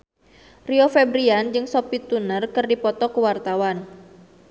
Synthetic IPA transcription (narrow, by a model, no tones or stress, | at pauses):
riofɛbɾiand͡ʒɨŋsɔpit̪unərkɨrdipɔt̪ɔkəwart̪awan